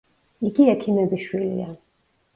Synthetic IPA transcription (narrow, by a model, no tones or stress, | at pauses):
iɡiɛkʰimɛbiʃwilḭa